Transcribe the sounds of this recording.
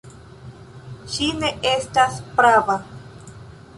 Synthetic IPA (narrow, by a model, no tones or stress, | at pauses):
ʃineestaspɾaβa